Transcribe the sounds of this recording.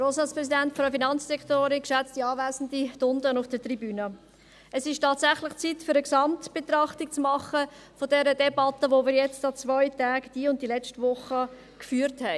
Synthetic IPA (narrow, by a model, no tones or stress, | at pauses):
roːsɑspɾɛsidɛntfɾəfinɑnt͡ssɛktoːɾɪkʃɛt͡stiɑːvæːzn̩ditʊndənʊfd̥ətribyːnə | ɛsɪʃtɑːtsæχlɪχt͡sitfʏɾəksɑmtb̥et̪ɾɑχtik̚t͡smɑχə | fodɛɾədɛbɑt̪əʋomɪɾjɛt͡stɑt͡svɔʏtaːɡd̥iːʊnt̚d̥ilɛt͡ʃtəvʊχə | kfyːəɾthɛɪ